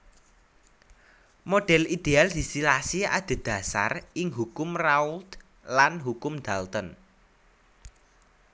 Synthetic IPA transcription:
moɖ̥ɛ̤lid̪̥eald̪̥i̤silasia̰d̪̥e̤d̪̥a̤sa̰rɪŋɦukʊmrault̪ | lanɦukʊmd̪̥alt̪ən

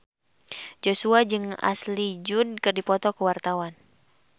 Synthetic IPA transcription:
d͡ʒosuad͡ʒɨŋa̰slid͡ʒʊnkɨrdipɔt̪ɔkəwart̪awan

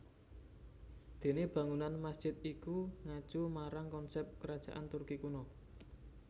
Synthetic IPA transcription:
d̪̥e̤neb̥ä̤ŋunanmasd̥ʒ̥ɪt̪̚ikuŋḁʒ̥umaɾaŋkɔnsɛp̚kəɾad̥ʒ̥a̤̰ʔant̪urkikunɔ

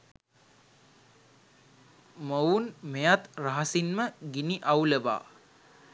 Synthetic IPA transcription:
mounmejat̪raɦasinməɡiniʔawləʋa̰ː

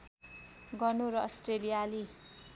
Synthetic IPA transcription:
ɡʌnoɾʌʌsʈrelijali

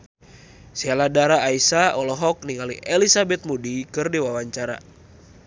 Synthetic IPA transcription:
saladaɾaːisaɔlɔɦɔk̚niŋaliʔɛlisabɛt̪̚mudikɨrdiwawaɲt͡ʃaɾa̰

